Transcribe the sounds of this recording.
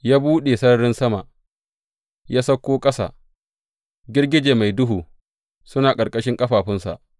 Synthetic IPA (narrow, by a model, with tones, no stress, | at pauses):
jaː˦buː˦ɗeː˨sɐ˦nɐ˨ɾɪ˦nsɐ˦ma˨ʔ | jaː˦sɐ˦kʷːoː˦kʼɐ˦sa̰ː˨ | ɡʲɪ˦rɡʲɪ˦d͡ʒeː˨ma˨jdʊ˦ɦuː˨ | sʊ˦naː˨kʼɐ˨rkʼɐ˦ʃɪ˦ŋkʼɐ˦ɸaː˨ɸɪ˦nsa̰˨ʔ